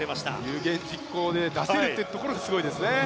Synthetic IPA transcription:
ɾemaɕi̥t̪a̰jɯ̟ːɡẽ̞ɲd͡ʑikːo̞ːd̪e̞d̪aseɾɯ̟t̪ːeɯt̪o̞koɾo̞ɡasɨɡo̞id̪e̞sɨne

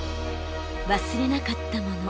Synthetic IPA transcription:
βasɨɾe̞nakat̪ːamo̞no

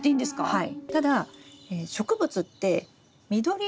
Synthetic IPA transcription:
t̪eĩnd̪esɨ̥kahait̪ad̪aeːɕo̞kɯ̟bɯ̟t͡sɨt̪ːe̞ | mʲid̪o̞ɾʲi

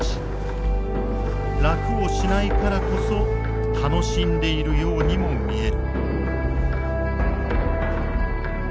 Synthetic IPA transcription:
ɕi̥ | ɾakɯ̟o̞ɕinaikaɾako̞so̞ | t̪ʰano̞ɕĩnd̪e̞iɾɯ̟jo̞ːɲ̟imo̞mʲie̞ɾɯ̟

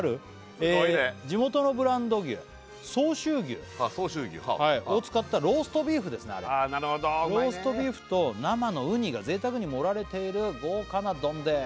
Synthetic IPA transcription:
aɾɯ̟ | eied͡ʑimo̞t̪o̞no̞bɯ̟ɾãnd̪o̞ɡʲɨ̰ː | so̞ːɕɨːɡʲɨ̰ːsoːɕɨːɡʲɨ̰haiot͡sɨ̥kat̪ːaɾo̞ːsɨ̥t̪o̞bʲiːɸɯ̟d̪e̞sɨnea̰ɾanaɾɯhod̪oɾo̞ːsɨ̥t̪o̞bʲiːɸɯ̟̥t̪o̞namanoɯ̟ɲ̟iɡaze̞ːt̪akɯ̟ɲ̟imo̞ɾaɾe̞t̪e̞iɾɯ̟ɡo̞ːkanad̪õ̞nd̪e

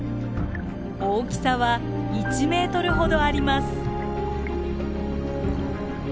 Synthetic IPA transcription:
oːkʲi̥saβa | it͡ɕime̞ːt̪o̞ɾɯ̟ɦo̞d̪o̞aɾʲimasɨ̥

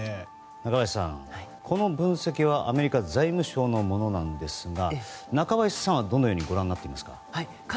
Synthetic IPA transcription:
nakaβaissã̰ŋkʰo̞no̞bɯ̟̃ɰ̃se̞kʲiβ̞aʔame̞ɾʲikad͡zaimɯ̟ɕo̞ːno̞mo̞no̞nãnd̪e̞sɨɡanakaβaissãɰ̃βad̪o̞nːojo̞ːɲ̟iɡo̞ɾãnːat̪ːeimasɨ̥ka̰

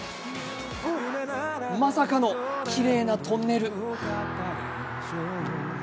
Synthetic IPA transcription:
masakano̞kʲiɾe̞ːnat̪õ̞nːe̞ɾɯ̟

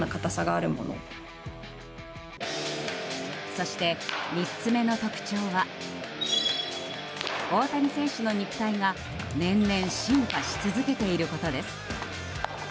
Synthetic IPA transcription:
akat̪asaɡaːɾɯmo̞̰no̞̰ | so̞ɕi̥t̪e̞mʲit͡st͡sɨme̞no̞t̪o̞kɯ̟̥t͡ɕo̞ːβa | o̞ːt̪aɲ̟isẽ̞ɰ̃ɕɨno̞ɲ̟ikɯ̟̥t̪aiŋa | nẽ̞nːẽ̞ɰ̃ɕĩmpaɕi̥t͡sɨzɨke̞t̪e̞iɾɯ̟ko̞t̪o̞d̪e̞sɨ̥

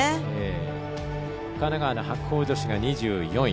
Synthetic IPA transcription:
eː | kanaɡaːnohakɯ̥ho̞ːd͡ʑo̞ɕiɡaɲ̟iʑɨːjõ̞

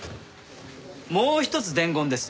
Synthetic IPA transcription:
moːçi̥t̪o̞t͡sɨd̪ẽ̞ŋɡõ̞nd̪e̞sɨ̥

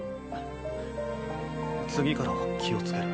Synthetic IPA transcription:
t͡sɨɡʲikaɾaɡakʲʰio̞t͡sɨ̥ke̞ɾɯ̟

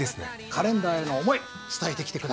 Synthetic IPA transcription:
esɨnḛ | kʰaɾẽ̞nd̪aːe̞no̞ːmo̞i | t͡sɨ̥t̪ae̞t̪e̞kʲi̥t̪e̞kɯd̪a

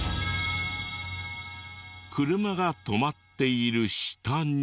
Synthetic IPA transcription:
kʰɯɾɯ̟maɡat̪o̞mat̪ːe̞iɾɯ̟ɕi̥t̪ãɲ

